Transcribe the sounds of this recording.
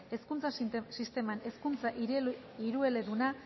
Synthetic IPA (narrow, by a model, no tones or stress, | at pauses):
e̞skunt͡sasist̪e̞mane̞skunt͡saʔi | iɾue̞le̞ðuna